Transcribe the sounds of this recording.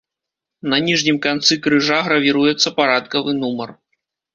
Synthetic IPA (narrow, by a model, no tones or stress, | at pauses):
nɐnʲiʐnʲimkant̪sɨkɾɨʐaɣɾɐvʲiɾujɛt̪sːɐpaɾat̪kɐvɨnumɐr